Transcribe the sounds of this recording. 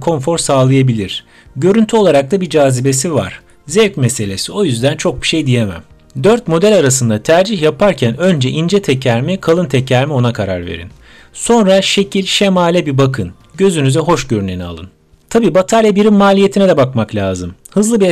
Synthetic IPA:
kʰo̞ɱfo̞ɾsaːlˠɯjabilʲiɾ̥ | ɟø̞ɾynt̪ʰyo̞lˠaɾak̚t̪abid͡ʒaːzibe̞siva̰ɾ̥ | zɛvcmese̞lʲe̞sio̞jyzd̪ænt͡ʃʰo̞k̚bi̥ʃe̞jd̪ije̞mæ̰m | d̪ø̞ɾt̪̚mo̞d̪ɛlʲaɾas̬ɯnd̪at̪ʰæɾd͡ʒiçjapʰaɾcʰænø̞nd͡ʒɛʔind͡ʒɛt̪ʰecʰæɾmikʰalˠɯnt̪ʰecʰæɾmio̞nakʰaɾa̰ɾvḛɾḭn | so̞nɾaʃe̞cʰilʲʃemaːlʲɛbibakʰɯn | ɟø̞zynyzɛɦo̞ʃɟø̞ɾynenia̰lˠɯ̰n | t̪ʰabiːbat̪ʰalʲabiɾimːaːlʲije̞t̪ʰinɛd̪ɛbakmaklʲaːzɯmhɯzlˠɯbi

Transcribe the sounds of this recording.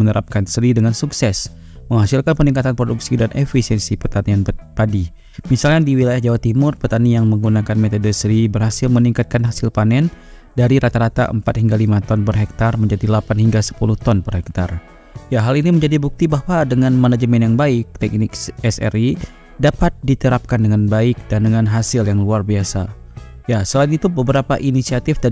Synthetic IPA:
mənəɾʔap̚kansəɾidəŋansuksɛs | məŋhasilkanpəniŋkat̪anpɾoduksidanʔefisiɛnsipərt̪anianpadi | misalkadiwilajahd͡ʒawat̪imʊrpərt̪anijaŋməŋɡunakanmet̪odəsəɾibərhasilməniŋkat̪̚kanɦasilpanɛn | daɾiɾat̪aɾat̪a̰ʔəmpat̪̚hiŋɡalimat̪ɔnpərɦɛk̚t̪arməɲd͡ʒadilapanhiŋɡasə̥puluht̪ɔnpərhɛk̚t̪ar | jaɦaliniməɲd͡ʒadibuk̚t̪ibahwadəŋanmanad͡ʒəmɛnjaŋbaɪk̚t̪ɛk̚nɪkɛsɛ̰ri | dapat̪̚dit̪əɾap̚kandəŋanbaɪk̚dandəŋanɦasɪljaŋluarbiasa | jasəlainit̪ubəbəɾapaʔinisiat̪ifd̪a

